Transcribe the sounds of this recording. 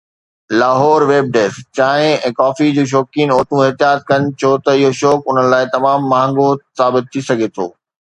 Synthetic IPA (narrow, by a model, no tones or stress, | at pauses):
laːɦɔːɾʋeːb̚ɖeːst͡ɕaːɦɪ̃ɛ̃ːkɔːfid͡ʑuːʃ̬ɔːkiːnoːʈ̪ũɪɦt̪ijaːt̪̚kɐn̆t͡ɕʰot̪ɐɪɦoʃɔːkʊn̤ənɪ̆laːɪt̪ɐmaːmːãːŋɡosaːbɪt̪̚t̪ʰːisɐɡʱet̪ʰo̰ː